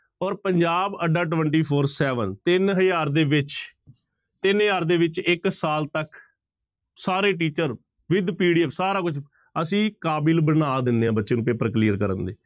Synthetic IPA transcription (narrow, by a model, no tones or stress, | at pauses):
ɔːɾpəɲd͡ʒaːbəɖaːʈ̬ʋəɳʈiːpʰoːɾsɛːʋənt̪ɪnɦəjaːɾd̪eːʋɪt͡ʃ | t̪ɪnɦəjaːɾd̪eːʋɪt͡ʃɪksaːlt̪ək | saːɾeːʈ̬iːt͡ʃəɾ | ʋɪd̪piːɖiːɛːfsaːɾaːkʊt͡ʃʰ | əsĩːkaːbɪlbənaːd̪ɪnːeːãːbətːʃẽːnũːpeːpəkliːəɾkəɾənd̪eː